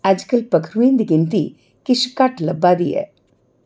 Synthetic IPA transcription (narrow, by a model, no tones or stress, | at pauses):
ad͡ʒkəlpɐkʰɾʋĩːnd̪ɨɡint̪i | kiʃkaʈlɐbːaːd̪ḭjḛ